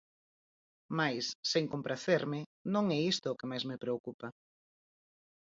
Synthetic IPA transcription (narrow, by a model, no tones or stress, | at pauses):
majsːeŋkompɾaθeɾmɪnõŋɛist̪ʊːkɪmajzmɪpɾeokupa